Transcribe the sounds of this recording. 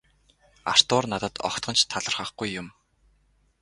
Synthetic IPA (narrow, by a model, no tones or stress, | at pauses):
ar̥t̪ʊːrnat̪ə̆t̪ɔ̰kt̪ɢɞ̆nt͡ɕt̪ʰaɮə̆rχə̆χɡujːʊm